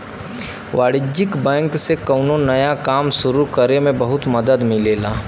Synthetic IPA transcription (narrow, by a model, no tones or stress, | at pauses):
ʋaːɽɪd͡ʒɪkbɛ̃ːŋksekɐʊnonɐjakaːmsʊɾukəɾemẽbɐɦʊt̪mɐd̪əd̪mɪleːlaː